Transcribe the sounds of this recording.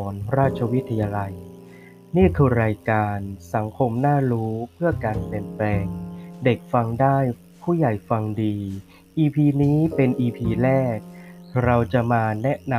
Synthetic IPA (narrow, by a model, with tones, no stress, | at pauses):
ɔː˩˦nɾaː˥˩t̪̚t͡ɕʰa˧wi˦˥t̪ʰːa˧jaː˧la˧j | niː˥˩kʰɯː˧ɾaː˧jkaː˧nsa˩˦ŋkʰo˧mnaː˥˩ɾuː˦˥pʰɯ˥˩ɐkaː˧npi˨˩ənplɛː˧ŋde˨˩k̚fa˧ŋdaː˥˩j | pʰuː˥˩ja˨˩jfa˧ŋdiː˧ | ʔiː˧pʰiː˧niː˦˥pe˧nʔiː˧pʰiː˧lɛː˥˩k̚ɾa˧wt͡ɕa˨˩maː˧nɛ˦˥ʔna˧